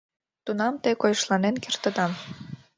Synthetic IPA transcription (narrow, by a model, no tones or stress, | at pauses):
t̪unɑmt̪ekojəʃlɑnenkert̪ə̆d̪ɑm